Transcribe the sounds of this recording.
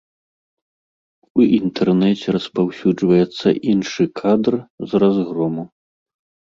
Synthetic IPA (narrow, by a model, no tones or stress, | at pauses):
uʔint̪ʰɛrnɛt͡sʲɛɾɐspawsʲud͡ʐvɐjɛt̪sːɐ̰ʔinʂɨkʰad̪rzrazɣɾɔmu